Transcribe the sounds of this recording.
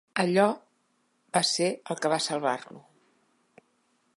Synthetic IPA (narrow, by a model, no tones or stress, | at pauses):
əʎɔ | baseəlˠkəβasəlˠβa̰rlṵ